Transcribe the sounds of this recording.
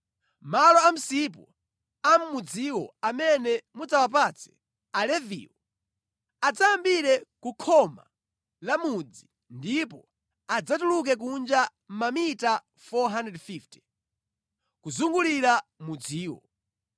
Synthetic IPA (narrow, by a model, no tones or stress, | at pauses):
malɔam̩sip̬ɔ | am̩ːud͡ziwɔamɛnɛmud͡zawap̬at͡sʰɛ̥ | alɛvḭwɔ | ad͡zaambiɾɛkukʰɔma̰ | lamud͡zi | ndipɔ | ad͡zatuluk̬ɛk̬und͡ʒa | m̩mamita | fɔɦandɛdfiftɛ̥ | kuzuŋɡuliɾamud͡ziːwɔ̰